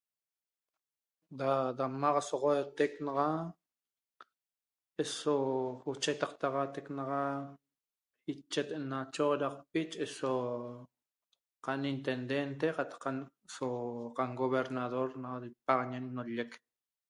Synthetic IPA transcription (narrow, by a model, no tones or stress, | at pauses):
d̪ad̪amaʁasoʁoet̪eknɑʁa | ʔesout͡ʃet̪ɑqt̪ɑʁɑt̪eknɑʁa | it͡ʃːet̪ʔenat͡ʃoʁɾɑq̚p̚it͡ʃʔeso | qanint̪end̪ent̪̬eqɑt̪ɑ̥qːa | soqaŋɡoβeɾnaðoɾnaðipɑʁɲenːoʎek